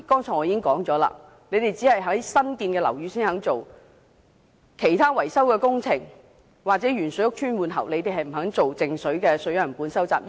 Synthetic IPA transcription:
kɔː˥ŋt͡sʰɔː˨˩ŋɔː˨˧iː˨˥˦ɪ˥ŋkɔː˨˥ŋt͡sɔː˨˥la̰ː˧ | ne˨˧t̪e˨jt͡siː˨˥hɐ˨jɦɐ˨˥ŋsɐ˥nkiː˧nkɛː˧lɐ˨˩wjyː˨˧siː˥nhɐ˨˥ŋt͡so˨w | kʰe˨˩jt̪ʰaː˥wɐ˨˩jsɐ˥wkɛː˧kʊ˥ŋt͡sʰɪ˨˩ŋ | waː˨k̚t͡sɛː˨˥ɥyː˨˩nsɵ˨˥jʊ˥k̚t͡ʃʰyː˥nwuː˨˧nɦɐ̰˨˩wle˨˧jt̪e˨jɦɐ˨jm̩˨˩ɦɐ˨˥ŋt͡so˨wt͡sɪ˨ŋsɵ˨˥ɥkɛː˧sɵ˨˥ɥjɐ˨˩npuː˨˥nsɐ˥wt͡sa̰ː˨p̚

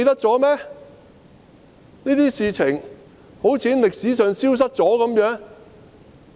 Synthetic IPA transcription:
jt̪ɐ˥k̚t͡sɔː˨˥mɛː˥ | niː˥t̪iː˥siː˨˧t͡sʰɪ˨˩ŋ | ho˨˥wt͡sʰiː˨˥nlɪ˨k̚siː˨˥sœː˨˧ŋsiː˥ws̬ɐ˥t̚t͡sɔː˨˥kɐ˨˧˥mjœː˨˥ŋ

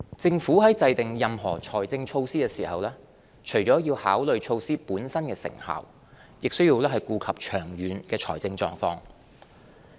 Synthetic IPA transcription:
t͡sɪ˧ŋfuː˨˥hɐ˨˥jt͡sɐ˧jt̪ɪ˨ŋjɐ˨mɦɔː˨˩t͡ʃʰɔː˨˩jt͡sɪ˧ŋt͡ʃʰo˧wsiː˥kɛː˧siː˨˩hɐ˨wlɛː˥ | t͡ʃʰɵ˨˩jt͡ʃɔː˨˥jiː˧whaː˨˥wlɵ˨ɥt͡ʃʰo˧wsiː˥puː˨˥nsɐ˥nkɛː˧sɪ̰˨˩ŋha̰ː˨w | jɪ˨k̚sɵ˥ɥjiː˧wlɛː˥ɦɐ˨jkuː˧kʰɐ˨p̚t͡ʃʰœː˨˩ŋjyː˨˥nkɛː˧t͡ʃʰɔː˨˩jt͡sɪ˧ŋt͡ʃɔː˧ŋfɔː˧ŋ

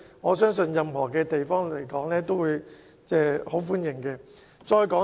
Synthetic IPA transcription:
ŋɔː˨˧s̬œː˥ŋsɵ˧njɐ˧mɦɔː˨˩kɛː˧t̪e˨jfɔː˥ŋle˨˩jkɔː˨˥ŋlɛː˥t̪o˥wuː˨˧j | t͡sɛː˥˩ho˨˥wfuː˥njɪ˨˩ŋkɛː˧ | t͡sɔː˧jkɔː˨˥

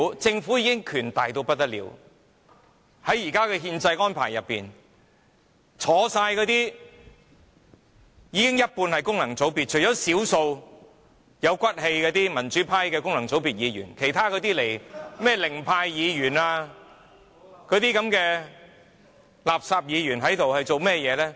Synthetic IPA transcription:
t͡sɪ˧ŋfu˨˥jiː˧˥kɪ˥ŋkʰyː˨˩nt̪aː˨jt̪o˧wpɐ˥t̚t̪ɐ˥t̚lḭ˨˧w | hɐ˨˥jːiː˨˩kaː˥kɛː˧ɦiː˧nt͡sɐ˧jʔɔː˥npʰa̰ː˨˩jːɐ˨pːḭː˨˩n | t͡sʰɔː˨˥saː˧jkɔː˧t̪iː˥ | jiː˨˧kɪ˥ŋjɐ˥t̚puː˧nhɐ˨jkʊ˥ŋlɐ˨˩ŋt͡so˨˥wpiː˨t̚t͡ʃʰɵ˨˩jt͡ɕɔː˨˥siː˨˥wso˧w | jɐ˨˧wkʷɐ˥t̚he˧jkɛː˧t̪iː˥mɐ˨˩nt͡ʃyː˨˥pʰaː˥jkɛː˧kʊ˥ŋlɐ˨˩ŋt͡so˨˥wpiː˨˩t̚jiː˨˧jy̰ː˨˩nkʰe˨˩jt̪ʰaː˥kɔː˨˧t̪iː˥le˨˩jmɛː˥˩lɪ˨˩ŋpʰaː˧jːiː˨˧jyː˨˩naː˧ | kɔː˨˧˥t̪iː˥kɐ˨˥mkɛː˧ | laː˨p̚saː˧p̚jiː˨˧ɥyː˨˩nɦɐ˨˥jt̪o˨whɐ˨jt͡so˨wmɛː˥jɛː˨˧lɛː˥

